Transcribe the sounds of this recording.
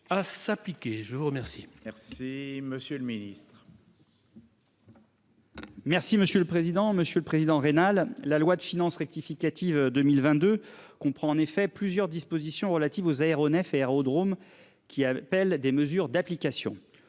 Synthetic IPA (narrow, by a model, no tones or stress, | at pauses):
asaplikʲeʒəvuʁəmɛʁsimɛʁsiməsjøləminist̪χ | mɛʁsiməsjøləpχezid̪ɑ̃məsjøləpχezid̪ɑ̃ʁenalːalwad̪əfinɑ̃sʁɛk̚t̪ifikat̪ivd̪əmilvɛ̃t̪̚d̪økɔ̃pχɑ̃ɑ̃nefɛplyzjœʁd̪ispozisjɔ̃ʁəlat̪ivozaeʁɔnɛfeɛʁod̪ʁom | kʲiapɛld̪eməzyʁd̪aplikasjɔ̃